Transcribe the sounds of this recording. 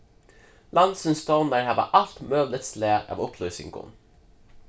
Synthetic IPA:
lɑnd̪sənst̪ɑːnəɹhɑʋɑ̰ʔɑlt̪møːblət̪sleːɑ̰ːʋʊploːisɪ̰ŋɡʰʊ̰n

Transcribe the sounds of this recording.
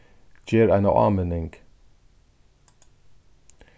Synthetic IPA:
d͡ʒeːɾæɪnɑ̰ʔɑ̰ːmenɪŋɡ̥

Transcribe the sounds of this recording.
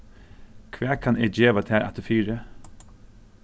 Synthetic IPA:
kʰʋæːkʰɑned͡ʒeːʋaɑt̪ʰæːɾʔæ̰t̪əfyːɾə

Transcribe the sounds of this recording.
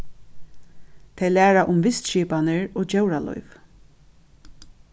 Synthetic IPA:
t̪ʰɛjlæːɾaʔʊmʋɪst̪ʃiːpanɪɹoːd͡ʒɛwɾalɔ̰jv

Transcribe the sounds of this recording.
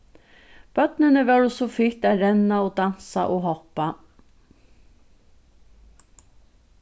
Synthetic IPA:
b̥œt̪nənəʋɛɹʊsofɪt̪æɾɛnaoːd̪ansa̰ʔoːɦɔpːa

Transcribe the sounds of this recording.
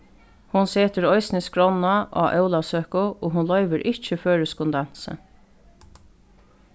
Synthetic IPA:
hʊnseːt̪əɾɔʏsniskɹɔnaʔa̰ʔœʊlasøːkʊoːɦʊnlœʏʋəɾʔɪt͡ʃəføːɹəskʊnd̪ansə̰

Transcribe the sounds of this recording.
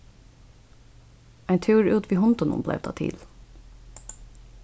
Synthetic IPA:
æɪnt̪ʰʉːɹʉːt̪ʰʋiːhɔnt̪ɔnʊ̰mblæ̰ʋt̪ʰɑ̰ːt̪ʰḭːl

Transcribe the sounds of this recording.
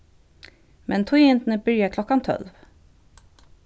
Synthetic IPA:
mʔɛnt̪ʰɔjɪnt̪nəbʏɾjakʰlɔkːant̪ʰɔ̰lv

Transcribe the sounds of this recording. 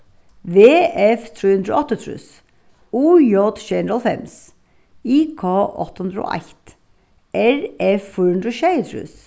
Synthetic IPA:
ʋeːɛft̪ʰɾʉːhʉnd̪ɾəo̰ːɔt̪ːət̪ʰɾʉ̰s | uːjɔd̪ʃɛnəɾəlˠfɛ̰ms | iːkʰɑːʔɔ̰t̪ːəhʉnd̪ɾəo̰ːʔæ̰ɪt̪ | ʔɛɾɛffɔːhʉnd̪ɾɔʃɛɪt̪ʰɾʉ̰ːs

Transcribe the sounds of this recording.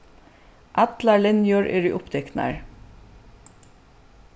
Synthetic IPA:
ʔɑt̪lɑɭɪnjuːɹʔḛːɾiːʔʊpd̪ɛkt̪næ̰ɹ

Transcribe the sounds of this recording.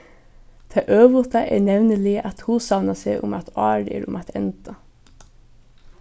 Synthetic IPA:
t̪ʰeːʔøːʋʊt̪ɑʔḛːɳɛʋnəliːʔɑt̪huːsɑʋnɑseːʔʊmɑ̰t̪ʰɑːɖḛːɾʊ̰mɑt̪ʰɛ̰nt̪ɑ

